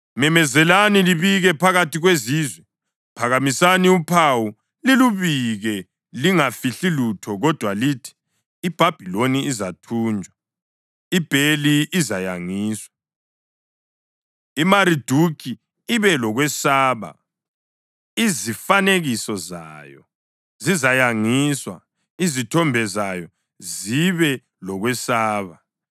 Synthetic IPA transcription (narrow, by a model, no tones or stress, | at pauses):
mɛmɛzɛlaniliβiɣɛpʰaɣatʰiɣwezizwɛ | pʰaɣamisaniupʰawu | liluβiɣɛ | liŋafiɬilutʰɔɣɔd̥ʱwalitʰi̥ | ib̥ʱab̥ʱiloniizatʰuːnd͡ʒʱwa | ib̥ʱeliːzajaŋiːswḁ | imaɾid̥ʱukʰi | iβɛlɔɣwɛsaːβa̰ | izifaneɣisɔza̰ːjɔ̰ | zizajaŋiswa | izitʰɔmbʱɛzajɔ | ziβɛ | lɔɣwɛsaːβa